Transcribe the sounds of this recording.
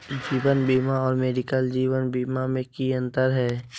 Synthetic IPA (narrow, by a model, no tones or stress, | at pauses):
d͡ʒiːwənbiːmaɔːɾmeːɖɪkəld͡ʒiːʋənbiːmamẽkiə̃nt̪əɾɦɛː